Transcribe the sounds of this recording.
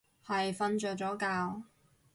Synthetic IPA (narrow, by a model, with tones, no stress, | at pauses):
hɐ˨jfɐ˧nt͡ʃœː˨˩t͡sɔː˨˥kaː˧w